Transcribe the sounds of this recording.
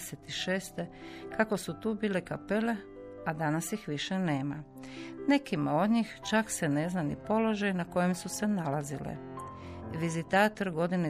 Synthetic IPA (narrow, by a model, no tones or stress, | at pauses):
set̪iʃe̞ːst̪e̞kʰako̞sut̪uːbiːle̞kape̞le̞ | ad̪anasjixʋiʃe̞ne̞ːma | ne̞kimao̞d̪ɲixt͡ʃakse̞ne̞znanḭpo̞lo̞ʒajnako̞jemsuse̞nalazilḛ | ʋizit̪at̪oɾɡo̞d̪ine